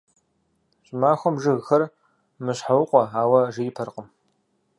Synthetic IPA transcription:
ɕʼmaːxʷɔmʒɨɣxɐr | mɨɕħawʊqʷʼɔaːwɐʒɪjɪpʰɐrqʼəm

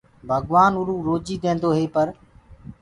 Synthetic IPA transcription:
bʱəɡʋaːnʊɾũːɾoːd͡ʒiːd̪ẽːnd̪oːɦeːpəɾ

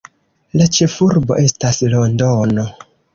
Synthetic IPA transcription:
lat͡ʃe̞fuɾbo̞̰ʔe̞staslo̞ndono

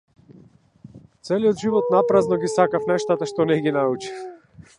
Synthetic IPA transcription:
t̪sɛlijɔd̪ʒivɔt̪napɾaznɔɡisakafnɛʃt̪at̪aʃt̪ɔnɛɡinaut͡ʃi̥f

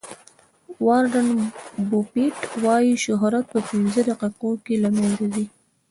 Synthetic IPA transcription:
wɑɾɖanbupiʈwɑjiʃʊɦɾat̪̚pəpinzəd̪aqiqokelamanzazi

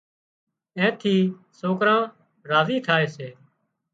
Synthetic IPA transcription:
ɛ̃ːt̪ʰiː | soːkɾãː | ɾaːziːt̪ʰaːeːseː

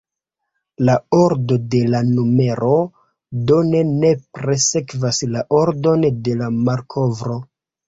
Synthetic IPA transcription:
lao̞ɾdo̞de̞lanume̞ɾʔo̞ | done̞ne̞pɾe̞se̞kvaslaʔo̞ɾdo̞nde̞lamaɾkʰo̞vɾo̞

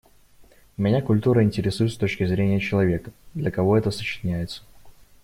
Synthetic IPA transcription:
mʲɪnʲakʊlʲt̪uɾəɪnʲtʲɪɾʲɪsujt̪st̪o̞t͡ɕkʲɪzɾʲenʲɪjət͡ɕɪlˠɐvʲe̞kəd̪lʲəkɐvo̞ɛt̪əsə̥t͡ɕɪ̥nʲæjɪt̪sə̥

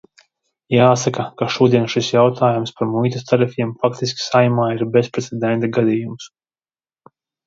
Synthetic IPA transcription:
jaːsakakaʃuɔd̪iɛnʃisjawt̪ʰaːjumspaɾmujt̪ast̪aɾifʲimfakt̪isʲkʲi̥sajmaːiɾbespɾɛt̪sʲɛd̪ɛnt̪aɡad̪ijums

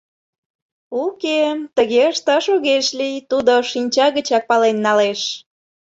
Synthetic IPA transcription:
uket̪əɣeəʃt̪ɑʃoɣeʃlijt̪ud̪oʃinʲt͡ɕɑɣət͡ɕɑk̚pɑlenːɑleʃ

